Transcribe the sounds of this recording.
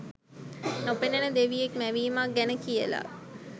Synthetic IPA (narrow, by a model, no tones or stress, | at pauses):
nopenenəd̪eʋijekmæʋiːmaɡænəkijəla̰